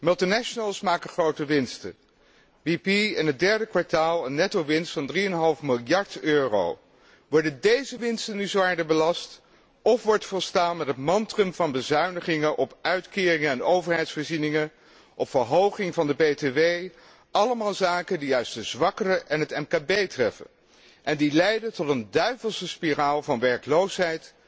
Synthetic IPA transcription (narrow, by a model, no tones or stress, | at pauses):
mɵlˠtinɛʃənəlˠsmaːkəχrowtəʋɪnstə̰ | ʋipiɛnɦət̚dɛɹdəkʋɑɹtaːlˠənːɛtowʋɪnstfɑndriɛnɦɑlˠfmɪlˠjɑɹtøːro̰w | ʋɔɹdəndejzəʋɪnstənyzoaːɹdəbəlɑst | ɔfʋɔɹtfɔlˠstaːnmɛtətmɑntrəmvɑnbəzœɥnəχɪŋənʔɔpœɥtkɪːrɪŋəɛnowvəɹɦɛjtsfəɹzinɪŋən | ʔɔpfəɹɦowχɪŋvɑndəbejteʋej | ʔɑləmaːlˠzaːkəndiœɥsdəzʋɑkərəʔɛnɦətɛmkaːbejtrɛfə̰n | ʔɛndilɛjdətɔtəndœɥvəlˠsəspiraːlˠvɑnʋɛɹklowsɦɛjt